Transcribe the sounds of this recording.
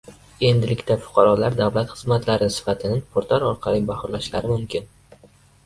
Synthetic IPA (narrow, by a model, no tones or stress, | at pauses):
e̞nd̪ɪlɪkʲt̪afʊ̥qʰɑɾɒlaɾd̪awlat̪χɨzmat̪ʰlaɾɪsɪ̥fat̪ʰɪnɪŋpʰʊɾt̪ʰaɾɒɾqʰɑlˠibahʊɾlaʃla̰ɾɪmʊmkʲʰɪn